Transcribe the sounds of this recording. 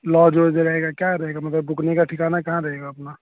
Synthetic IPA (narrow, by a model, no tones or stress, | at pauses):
lɔd͡ʒod͡ʒeɾəɦeɡakjaɾəɦeɡamət̪ləbːuknekaʈʰikanakɐɦãɾəɦeɡaəpna